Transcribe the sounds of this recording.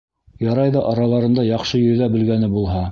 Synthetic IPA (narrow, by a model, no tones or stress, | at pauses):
jɑɾɑjðɑʔɑɾɑlˠɑɾɤ̆nd̪ɑjɑχʃɤjɵ̆jðæbɘ̆lɡænɘbulˠɦɑ